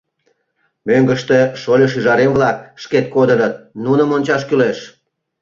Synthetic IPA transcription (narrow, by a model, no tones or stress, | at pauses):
møŋɡəʃt̪e̽ʃolʲəʃ̬yʒɑɾemβlɑkʃket̪̚kod̪ənət̪̚nunəmonʲt͡ɕɑʃkyleʃ